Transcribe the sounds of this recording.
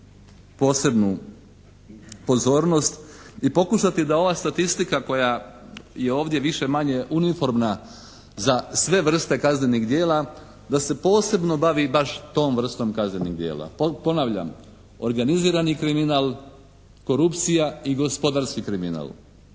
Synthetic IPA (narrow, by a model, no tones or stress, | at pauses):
po̞ːse̞bnu | po̞zo̞ːɾno̞st̪ipo̞kuʃat̪id̪ao̞ʋaːst̪at̪ist̪ikako̞jaje̞o̞ːʋd̪je̞ʋiʃe̞maɲe̞ʔunifo̞ɾmna | zasʋe̞ʋr̩st̪e̞kazneniɣd̪je̞ːla | d̪ase̞po̞ːse̞bno̞baʋibaʃt̪o̞ːmʋr̩st̪o̞mkaznenḭɡd̪je̞̰ːla̰po̞naʋʎa̰m | o̞ɾɡaniziːɾanikɾiminaːl | ko̞ɾupt̪sijaiɡo̞spo̞d̪aɾskikɾimina̰l